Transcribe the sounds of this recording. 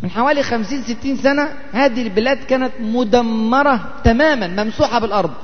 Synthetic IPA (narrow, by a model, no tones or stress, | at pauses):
mɪnħawæːlixæmsiːnsɪt̪ːiːnsænæ | hæːd̪ihlbɪlæːd̪kæːnæt̪mʊd̪æmːɑɾˤɑ | t̪æmæːmænmæmsuːħɑbɪlʔɑɾˤd̪ˤ